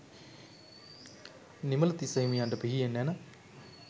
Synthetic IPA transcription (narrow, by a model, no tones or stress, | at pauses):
nimələt̪iseɦimijaɳɖəpiɦijenːɛnə